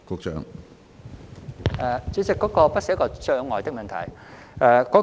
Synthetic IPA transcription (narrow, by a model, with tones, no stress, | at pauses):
kʊ˧k̚t͡ʃœ̰ː˧ŋ | ɐː˨˧t͡sy˨˥t͡sɪ˨˩kːɔː˨˥kɔː˧pɐ˥skɔː˧t͡ʃœː˧ŋɔː˨˩jt̪ɪ˥k̚mɐ˨nt̪ʰɐ̰˨˩jɛː˧kɔː˨˥